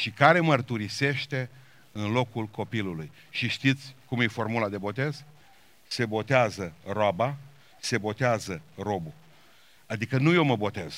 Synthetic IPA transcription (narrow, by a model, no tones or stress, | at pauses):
ʃikaɾe̞mərt̪uɾise̞ʃt̪e̞ | ɨnlo̞kulko̞piluluj | ʃiʃt̪it̪sʲkumjefo̞rmulad̪e̞bo̞t̪e̞z | se̞bo̞t̪eazəroaba | se̞bo̞t̪eazəro̞bu | ad̪ikənuje̞wməbo̞t̪e̞z̥